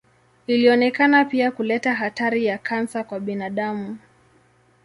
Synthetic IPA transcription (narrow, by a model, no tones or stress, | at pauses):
iliɔnɛkanapiakulɛtaɦataɾijakʰansakwaɓinaɗamu